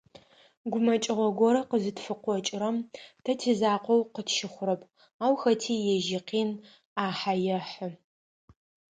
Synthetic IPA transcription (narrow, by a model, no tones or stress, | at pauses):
ɡʷʊmɐt͡ʃʼɪʁʷɔɡʷɔɾɐqəzɨtfɨqʷɔt͡ʃʼɪɾɐmtʰɐtʰeːzaːqʷɔwqətʃɪχʷʊɾɐpʰʼ | aːwxɐtʰiːjɛʒiqiːn | aːħajɛħə